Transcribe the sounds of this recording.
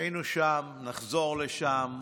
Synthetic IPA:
inuʃamnaχzo̞ʁleʃam

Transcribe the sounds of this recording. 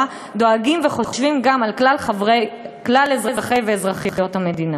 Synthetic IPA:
a | do̞aɡimveχooʃvimɡamalkalʁeklalezʁezaχejveːzʁaχijχijo̞thame̞dina

